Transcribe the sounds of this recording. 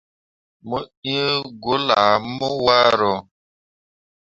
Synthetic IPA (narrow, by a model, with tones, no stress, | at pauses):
mə˦i˦ɡʊ˦la˨˦mʊ˦wa˦ɾʊ˨